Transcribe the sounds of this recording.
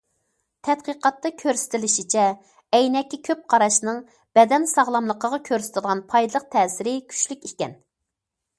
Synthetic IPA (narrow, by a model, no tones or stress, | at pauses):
t̪ʰɛt̪̚qəqɑt̪ːɑkʲʰøɾsɪ̥t̪ʰɪlɪʃit͡ʃʰɛ | ɛjnɛkʲːikʲʰøp̚qʰɑɾɑʃnɨŋ | b̥ɛd̪ɛnsɑʁlˠɑmlˠəqʰəʁɑkʲʰøɾsɪ̥t̪ʰɪlˠʁɑnpʰɑjd̪ɨlˠəq̚t̪ʰɛːsɪɾɪkʲʰy̥t͡ʃlykʲikʲɛn